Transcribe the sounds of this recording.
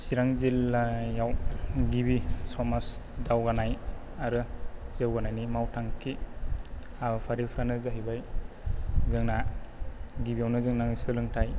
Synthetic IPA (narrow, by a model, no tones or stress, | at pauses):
siɾaŋziljawɡibisɔmasdawɡanaj | aɾɯzewɡanajnimawtʰaŋkʰi | apʰaɾipʰɾanɯzaɦibaj | zɯŋna | ɡibijawnɯzɯŋnaŋsɯlɯŋtʰaj